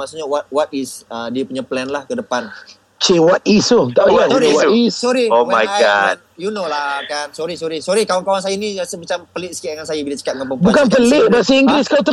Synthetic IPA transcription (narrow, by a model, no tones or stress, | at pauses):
masuɲawat̪̚wat̪̚isədiəpuɲaplɛnlahkədəpan | t͡ʃewat̪̚isut̪aasɔɾiissɔɾiomajɡad̚junolahkansɔɾisɔɾisɔɾikawankawans̬ajaniasəmat͡ʃampəlɪʔ̚sə̥kiʔaŋansajabilat͡ʃə̥kat̪̚ŋampəŋpbukanpəlɪʔbasiiŋɡɾɪskat̪ə